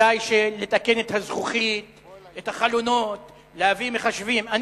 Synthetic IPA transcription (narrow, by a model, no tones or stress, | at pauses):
ajʃele̞t̪ake̞ne̞t̪hazχuχit̪ | et̪haχalono̞t̪ | leavimeχaʃviman